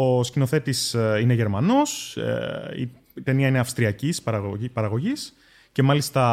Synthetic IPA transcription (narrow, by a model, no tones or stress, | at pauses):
oscino̞θe̞t̪isine̞ʝe̞ɾmɐno̞s | ḭ | t̪e̞niɐineɐfst̪ɾiɐcispɐɾɐpɐɾɐɣo̞ʝis | ce̞mɐlist̪ɐ